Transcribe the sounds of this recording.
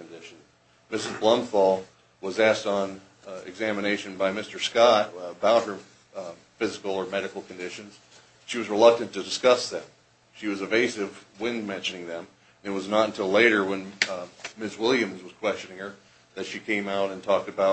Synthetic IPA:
kndɪʃn̩ | mɪsɨzblʌ̃mfɔlˠ | wʌzæstn̩ | ɪ̰ɡzæməneɪʃɨ̃nbaɪmɪstə˞skɑt̚əbaʊt̚hə˞ | fɪzɨkl̩ˠə˞mɛɾɨkl̩ˠkn̩dɪʃɨ̃nz̥ | ʃiwʌzɹəlʌk̚tɨ̃ntɨdɨskʌsðɨ̃m | ʃiwʌzɨveɪsɨvwɪ̃nmɛ̃nʃɨnɪ̃ŋðɨ̃m | nɨt̚wʌznəɾ̃n̩tʰɪleɪɾə˞wə̃n | mɪswɪlˠjɨ̃mzwʌz̥kʰw̥ɛst͡ʃɨ̃nɪ̃ŋə˞ | ðɨtʃikʰẽɪ̃maʊɾɨ̃ntʰɔk̚tɨbaʊ

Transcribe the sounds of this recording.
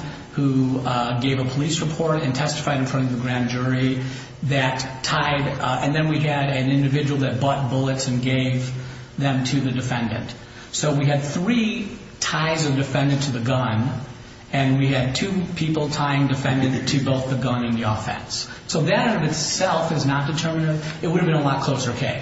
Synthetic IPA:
huɡeɪvəpʰəlisɹəpʰɔɹɾɨ̃ntʰɛstɨ̥faɪɾɨ̃n̩fɹʌ̃ɾ̃ʌvðɨɡɹæ̃nd͡ʒʊɹi | ðɨtʰaɪɾɨ̃nðɨ̃nwiɨɾɨ̃nɪ̃ndɨvɪd͡ʒɨwl̩ˠðɨt̚b̥ɑt̚b̥ʊlˠətsɨ̃nɡeɪv | ðɨ̃mtʰɨðɨdɨfɛ̃ndɨ̰̃nʔ | soʊwiɨd̪̚θɹi | tʰaɪzʌvdɨfɛ̃ndɨ̃ntʰɨðɨɡʌ̃n | ɨ̃nwiɨd̚tʰʉpʰipl̩ˠtʰaɪɪ̃ŋdɨfɛ̃ndɨ̃ntʰɨboʊθðɨɡʌ̃nɨ̃nðiɔfɛ̰̃ns | soʊðɨɾʌvɨtsɛlˠfɨznət̚d̥ɨtʰɜ˞mɨnɨvɨt̚wʊɾɨvbɨ̃nəlɑt̚kʰl̥oʊsə˞kʰeɪ

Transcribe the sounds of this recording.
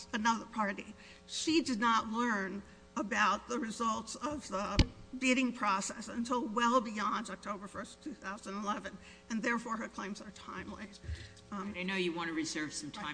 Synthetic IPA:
ɨnʌðə˞pʰɑɹɾi | ʃidɨdⁿnətˡlɜ̃˞n | əbaʊt̪̚ðəɹɨzʌlˠtsʌvðəbiɾɪ̃ŋpʰɹ̥ɔsɛsɨ̃ntʰɪlˠwɛlˠbiɑ̃ndɑk̚tʰoʊbə˞fɜ˞stʰʉθaʊzə̃ñnəlɛvɨ̃n | ɨ̃nðɛɹfɔɹə˞kʰl̥ẽɪ̃mz̥ðə˞tʰã̰ɪ̃mli | ɪnoʊjɨwɑ̃nɨɹɨzɜ˞v̥sʌ̃m̩tʰãɪ̃

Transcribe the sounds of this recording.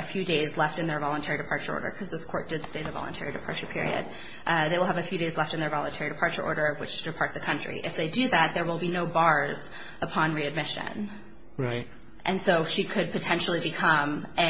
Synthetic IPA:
ɨfjʉdeɪzlɛftɨ̃nðə˞vɑlˠə̃ntʰɛɹiɾɨpʰɑɹt͡ʃə˞ɔ̰ɹɾə̰˞kʰʌzðɪskʰɔɹt̚d̥ɨd̥steɪðəvɑ̰lˠə̃ntʰɛ̰ɹiɾɨpʰɑ̰ɹt͡ʃə˞pʰɪ̰ɹḭɨ̰d̚ | ʔðeɪwəlˠəvɨfjʉɾeɪzlɛftɨ̃nðə˞vɑlˠə̃ntʰɛɹiɾɨpʰɑɹt͡ʃə˞ʔɔ̰ɹɾə˞ʌvwɨt͡ʃɨpʰɑɹt̪̚ðɨkʰʌ̃nt͡ʃɹ̥ḭʔɨfðeɪdɨðæt̪̚ðə˞wəlˠbinoʊbɑɹz̥ | əpʰɑ̃nɹiɨd̚mɪʃɨ̰̃n | ɹaɪt | ʔɨ̃nsoʊʃikʰɨd̚pʰɨtʰɛ̃nʃl̩ˠibɨkʰʌ̃mɨ

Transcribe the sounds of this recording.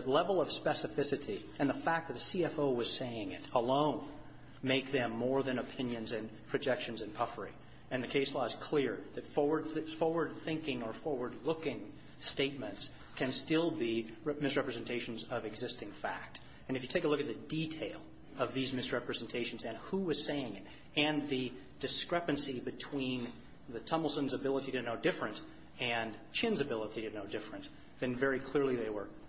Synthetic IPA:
ɨlɛvl̩ˠʌv̥spɛsɨfɪsɨɾi | ɨ̃nðəfæk̚ðɨt̪̚ðɨsiɛfoʊwʌz̥seɪɪ̃ŋɪ̰ɾəlõʊ̃n | meɪk̚ðɨ̃mːɔɹðɨ̃nɨpʰɪ̃njɨ̃nzɨ̃npʰɹ̥ɨd͡ʒɛkʃɨ̃nzɨ̃npʰʌfə˞ḭ | ɨ̃nðɨkʰeɪslɔɨz̥kʰl̥ɪɹðɨtfɔwə˞d̪̚fɔɹwə˞d̪̚θɪ̃ŋkɪ̃ŋə˞fɔɹwə˞dˡlʊkɪ̃ŋ | steɪt̚mɨ̃nts | kʰɨ̃nstɪlˠbimɨsɹɛpɹɨzɨ̃n̩tʰeɪʃn̩zʌvɨɡzɪstɪ̃ŋfæ̰k̚t | ɨ̃nɨfjɨtʰeɪkəlʊkɨt̪̚ðɨditʰeɪlˠ | ʌvðizmɨsɹɛpɹɨzɨ̃n̩tʰeɪʃn̩zɨ̃nhuɪz̥seɪɪ̃ŋɪt | ɨ̃nðɨ | d̥ɨskɹɛpɨ̃n̩sibɨtʰw̥ĩn | ðɨtʰʌ̃ml̩ˠtɨ̃nzɨbɪlˠəɾiɾɨdⁿn̩oʊdɪfɹɨ̃nt | ɨ̃nt͡ʃʰɪ̃nzɨbɪlˠəɾidɨdⁿnːoʊdɪfɹɨ̃n | ðɨ̃nvɛɹikʰl̥ɪɹliðeɪwə˞

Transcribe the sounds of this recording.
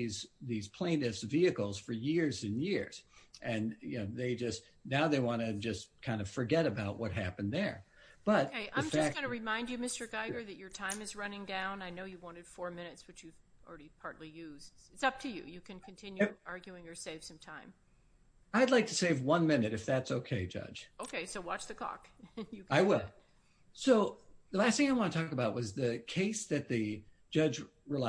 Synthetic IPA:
izðiz̥pʰl̥ẽɪ̃nɨfsviɨkl̩ˠz̥fə˞jɪɹzɨ̃njɪɹz̥ʔɨ̃njoðeɪd͡ʒʌst | naʊðeɪwɑ̃ñɨd͡ʒʌskʰãɪ̃ndʌ̥fə˞ɡɛɾɨbaʊʔ̚wʌt̚ɦæpɨ̃nðə˞ | b̥ʌt̪̚eɪʔã̰ðəɪ̃mfæk̚ɡ̥ʌnɨɹɨmãɪ̃nd͡ʒɨmɪstə˞ɡaɪɡə˞ðɨt͡ʃə˞tʰãɪ̃mɨzɹʌnɪ̃ŋdãʊ̃naɪnoʊjɨwɑ̃ñɨd̥fɔɹmɪ̃ñɨtswɨt͡ʃjɨv̥l̩ˠɹɛɾipʰɑɹtˡlijʉzdɨtsʌp̚tʰɨjʉ̰jɨkʰɨ̃nkʰn̩tʰɪ̃njɑɹɡjʉɪ̃ŋə˞seɪv̥sʌ̃mtʰãɪ̃m | aɪdˡlaɪk̚tʰɨseɪvwʌ̃nmɪ̃nɨɾɨfðætsoʊkʰeɪd͡ʒʌ̰d̥ʒ̥oʊkʰeɪsoʊwɑt͡ʃðɨkʰɔ̰kjɨaɪwɪlˠ | soʊðəlæst̪θɪ̃ŋaɪwɑ̃nətʰɔkəbaʊt̚wʌzðɨkʰeɪsðɨt̪̚ðɨd̥d͡ʒ̥ʌd͡ʒ | ɹɨla

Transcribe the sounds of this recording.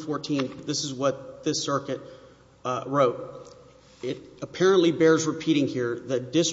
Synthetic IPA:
fɔɹtʰĩnðɪsɨzwʌt̪̚ðɪsɜ˞kɨt̚ | ɹoʊt̚ | ɪɾəpʰɛɹɨ̃nʔlibɛɹzɹɨpʰiɾɪ̃ŋhiɹðɨt̚d̥ɪs

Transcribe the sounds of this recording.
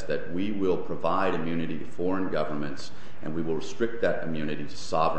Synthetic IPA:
ðɨt̚wiwɪlˠpʰɹ̥ɨvaɪɾɨ̃mjʉnɨɾiɾɨfɔɹɨ̃nɡʌvə˞mɨ̃nts | ʔɨ̰̃nwiwəlˠɹɨstɹ̥ɪk̚t̪̚ðɨɾɨ̰mjʉnɨɾiɾɨsɑvə̃

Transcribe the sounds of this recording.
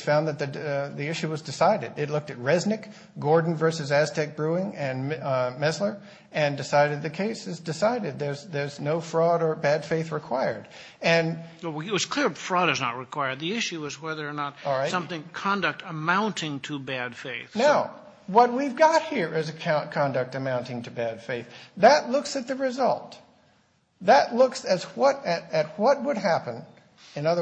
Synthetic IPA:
fãʊ̃nðɨt̪̚ðɨðiɪʃʉwʌzdɨsaɪɾɨ̰ɾɪtˡlʊk̚tɨt̚ɹɛznɨk | ɡ̥ɔɹdⁿn̩vɜ˞sɨzæstɛk̚b̥ɹuɪ̃ŋɨ̃nmɛzlə˞ | ɨ̃ndɨsaɪɾɨd̪̚ðɨkʰeɪsɨzdɨsaɪɾɨd̪̚ðə˞zðə˞znoʊfɹɔɾə˞bæd̥feɪθɹɨkʰw̥aɪə˞d | ɨ̃nt̚wʌz̥kʰl̥ɪɹfɹɔɾɨznə̰t̚ɹɨkʰw̥aɪə˞d̪̚ðiɪʃʉʌzwɛðə˞nət̚ɔlˠɹaɪsʌ̃mθɪ̃ŋkʰɑ̃ndɨk̚təmãʊ̃ntʰɪ̃ŋtʰəbæd̥feɪθnaʊ | wʌt̚wivɡɑt̚hiɹʔɪzɨkʰãʊ̃nkʰɑ̃ndɨk̚tɨmãʊ̃ntɪ̃ŋtʰɨbæd̥feɪθðɨtˡlʊksɨt̪̚ðɨɹɨzʌ̰lˠt̪̚ | ðɨtˡlʊksɨzwʌɾɨɾɨt̚wʌt̚wəd̚ɦæpɨ̃n | ɨ̃nʌðə

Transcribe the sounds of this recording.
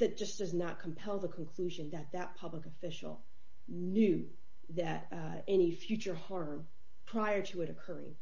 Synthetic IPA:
ðɨt̚d̥ʒ̥ʌsd̥ʌznət̚kʰə̃m̩pʰɛlˠðəkʰn̩kʰl̥ʉʒɨ̃nðɨt̪̚ðɨt̚pʰʌbləkɨfɪʃl̩ˠ | njʉ | ðɨɾ | ɛñifjʉt͡ʃə˞hɑɹm | pʰɹ̥aɪə˞ɾɨɨɾɨkʰɜ˞ɪ̰̃ŋ

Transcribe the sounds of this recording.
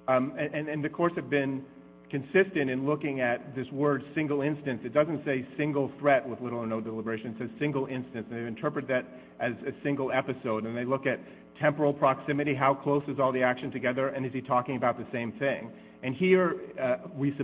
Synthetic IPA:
ɨ̃ɨ̃nɨ̃nðɨkʰɔɹshɨvbɪ̃n | kɨ̃nsɪstɨ̃ñɨ̃nlʊkɪ̃ŋɨt̪̚ðɪswɜ˞d̥sɪ̃ŋɡl̩ˠɪ̃nstɨ̃nsɨt̚d̥ʌzɨ̃n̩tseɪsɪ̃ŋɡl̩ˠθɹɛt̚wəðlɪɾl̩ˠə˞noʊdəlɪbə˞eɪʃɨ̃nɨtsɛz̥sɪ̃ŋɡl̩ˠɪ̃nstɨ̃nsn̩ðeɪvɨ̃ntʰɜ˞pɹɨt̪̚ðɨɾ | ʔɨzɨsɪ̃ŋɡl̩ˠɛpɨsoʊɾɨ̃nðeɪlʊkɨt̚ | tʰɛ̃mpə˞l̩ˠpʰɹ̥ɑksɪ̃mɨɾiɦaʊkʰl̥oʊsɨzɔlˠðiækʃɨ̃n̩tʰɨɡɛðə˞ʔɨ̃nɨzitʰɔkɪ̃ŋɨbaʊt̪̚ðɨsẽɪ̃mθɪ̃ŋ | ɨ̃nhiɹ | wisɨ

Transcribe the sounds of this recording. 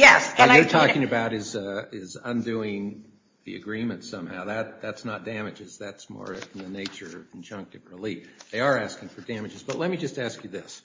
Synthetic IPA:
jɛsə̃ə˞tʰɔkɪ̃ŋɨbaʊɾɨzɪzə̃ndʉɪ̃ŋ | ðḭɨ̰ɡɹĩmɨ̃ntsʌ̃mha̰ʊðɨt̪̚ðætsnət̚d̥æmɨd͡ʒɨz̥ðætsmɔ̰ɹ̃nðɨneɪt͡ʃə˞ʌṽn̩d͡ʒʌ̃ŋk̚tɨvɹɪlifðeɪə˞æskɪ̃ŋfə˞dæmɨd͡ʒɨzbʌtˡlɛt̚mid͡ʒʌstæskjɨðɪs

